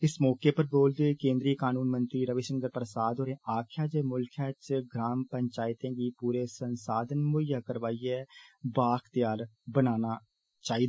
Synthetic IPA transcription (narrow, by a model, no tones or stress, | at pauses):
ɪsmɔːkeːpəɾboːld̪ekẽːnd̪ɾiːkaːnuːnmənt̪ɾiːɾəʋeːʃəŋɡəɾpɾəsaːd̪oːɾẽːaːkʰjaːd͡ʒeːmʊlkʰjaːt͡ʃɡɾaːmpəɲt͡ʃaːɪt̪ẽːɡiːpuːɾeːsənsaːd̪ənmʊjaːkəɾʋaːiːɛːbaːkʰt̪jaːɾbənaːnaː | t͡ʃaːiːd̪a